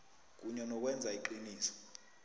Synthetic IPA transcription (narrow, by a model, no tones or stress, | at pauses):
k̬ʼuɲɛnɔk̬ʼwɛnd͡zʱaiǃiniːsɔ̥